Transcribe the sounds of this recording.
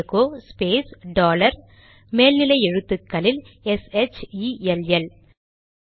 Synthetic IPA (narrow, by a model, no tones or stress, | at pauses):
koːspeːsɖoːlɐɾ | meːlnɪlɐɪɛɻɯt̪ːɯkːɐlɪl | ɛsɛt͡ʃiɛlɛl